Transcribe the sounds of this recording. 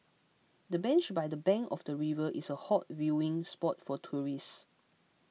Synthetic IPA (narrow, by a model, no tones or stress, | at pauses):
dəbɛ̃nt͡ʃbajdəbɛ̃ŋkɔfdəɹivəʔisəhɔt̚vjuɪ̃ŋspɔtfɔtʰuɹis